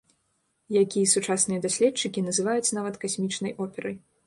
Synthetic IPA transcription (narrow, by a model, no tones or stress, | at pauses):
jakʲijɐsut͡ʂasnɨjɐd̪asʲlʲɛtt͡ʂɨkʲinɐzɨvajut͡sʲnavɐt̪kasʲmʲit͡ʂnɐjʔɔpʲɛɾɐj